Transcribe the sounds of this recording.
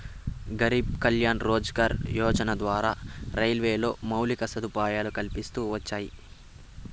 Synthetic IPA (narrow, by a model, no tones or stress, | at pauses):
ɡɐɾib̚kɐljaːnɾɔːd͡ʒɡaːɾjɔːd͡ʒɐnɐd̪ʋaːɾaːɾɐjlʋeːlo̞̰ːmɐwlikɐsɐd̪upaːjaːlukɐlpist̪uːʋɐt͡ʃːaːji